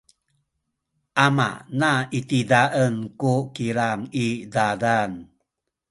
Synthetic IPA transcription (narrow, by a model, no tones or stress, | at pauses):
ʔama̰ʔnaitidaʔənkukiɾaŋidadan